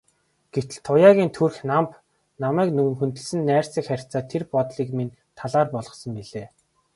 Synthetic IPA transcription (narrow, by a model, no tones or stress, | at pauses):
ɡ̥et̪ɘ̆ɮt̪ʰːʊjaːɣʲiːnt̪ʰurxnamp | namæːknɵŋ̆ŋxɵnt̪ɘ̆ɮsɘ̆nːæːr̥sĭkχær̥ʲʰt͡saːt̪ʰerpɔt̪ɮiːkmin | t̪ʰaɮaːrpɔɮʁɞ̆χsɞ̆mpiɮeː